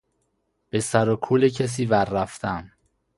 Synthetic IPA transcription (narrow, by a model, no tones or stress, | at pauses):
b̥e̞sæɾokʰuːlecʰes̬iːvæɾːæft̪ʰæm